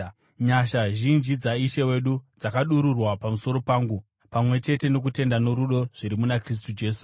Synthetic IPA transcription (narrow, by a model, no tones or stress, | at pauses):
ɲaʃaʒind͡ʒid͡zaiʃewe̞ɗud͡zakaɗuɾurwapamuso̞ɾo̞paːŋɡu | pamwe̞t͡ʃe̞te̞no̞k̬ute̞ndano̞ɾuɗo̞ʐ̥iɾimunakris̬tud͡ʒe̞ːsu̥